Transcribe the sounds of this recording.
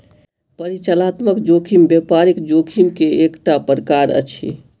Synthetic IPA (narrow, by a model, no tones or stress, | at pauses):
pəɾit͡ʃəlat̪məkd͡ʒokʰimbjepaɾikd͡ʒokʰimkeekʈapəɾəkaɾə̰t͡ʃʰḭ